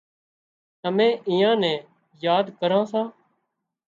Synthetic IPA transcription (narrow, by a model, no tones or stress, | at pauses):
əmɛ̃ːʔɪjãːnɛ̃ː | jaːd̪kəɾãːsãː